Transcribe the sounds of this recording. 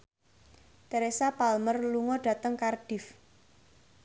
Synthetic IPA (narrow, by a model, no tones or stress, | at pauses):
t̪əɾesapalmərluŋɔɖ̥ä̤t̪əŋkarɖ̥ɪ̤f